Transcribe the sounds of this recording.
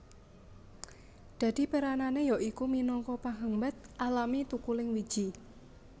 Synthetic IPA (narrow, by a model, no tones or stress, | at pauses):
d̪̥a̤d̪̥i̤pəɾananejɔʔikuminɔŋkɔpaɦəmbat̪̚ʔalamit̪ukulɪŋwi̥d͡ʒ̥i